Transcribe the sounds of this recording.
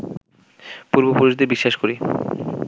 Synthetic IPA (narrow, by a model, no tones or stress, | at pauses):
puɾbopuɾuʃd̪eɾbiʃːaʃkoɾi